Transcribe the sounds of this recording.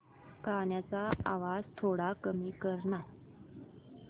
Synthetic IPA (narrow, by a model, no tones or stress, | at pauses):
kaɳjat͡saaʋad͡zt̪ʰoɽakəmiːkəɾɳa